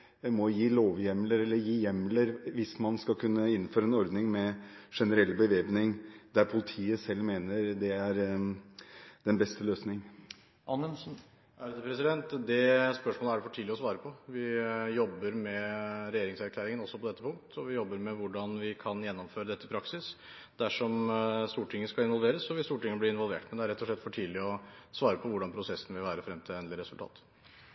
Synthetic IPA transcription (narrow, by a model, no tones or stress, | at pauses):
mɔjiːloːʋjɛmləɾɛlːəɾjiːjɛmːləɾʋɪsmɑnskɑlkʰʉnːəɪn̩ːføːɾəɛnɔɾd̪nɪŋmɛʂɛnəɾɛlːbəʋeːpnɪŋd̪æɾpʰʊlɪt̪ʰiːəsɛlːmeːnəɾd̪ɛæɾ | d̪ɛnbɛst̪əløːsnɪŋ | ʔɑnːəsn̩ | æd̪əpʰɾɛsɪd̪ɛnt̪d̪ɛspœʂmoːləæɖɛfɔʈʰiːd̪ɪɔsʋɑːɾəpʰɔʋɪjɔbːəɾmɛɾɛjeːɾɪŋsæɾkʰlæːɾɪŋənɔsːɔpɔd̪ɛt̪ːəpʰʊŋk̚t̪ɔʋɪjɔbːəɾmɛʋʊɖɑnʋɪkʰɑnjɛnːɔmføːɾəd̪ɛt̪ːəɪpʰɾɑksɪs | d̪æʂɔmst̪uːʈʰɪŋːəskɑɪnʋɔlʋeːɾəsɔʋɪst̪uːʈɪŋːəəblɪɪnʋɔlʋḛːʈmɛnd̪ɛæɾɛt̪ːɔʂɭɛt̪ːfɔʈʰiːd̪lɪɔsʋɑːɾəpʰɔʋʊɖɑnpʰɾʊsɛsn̩ʋɪlʋæːɾəfɾɛmt̪ʰɪlɛːnɪɾɛsʉlt̪ʰɑ̰ːt̪